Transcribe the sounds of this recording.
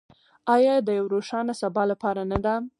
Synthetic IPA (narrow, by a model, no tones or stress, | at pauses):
ɑjɑd̪əjawɾoʃɑnasabɑlapɑɾanad̪a